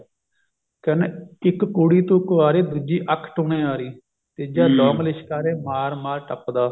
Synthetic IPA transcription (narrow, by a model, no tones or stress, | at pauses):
kənɪkkuːɽiːt̪ũːkoaːɾeːd̪ud͡ʒiːʔəkʰːʈoːɳẽːaːɾiː | t̪eːd͡ʒaːd̪oːmlɪʃkaːɾeːmaːɾmaːɾʈəpd̪aː